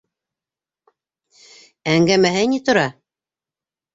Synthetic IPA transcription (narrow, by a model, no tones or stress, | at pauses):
æŋɡæmæɦɘnit̪ŏɾɑ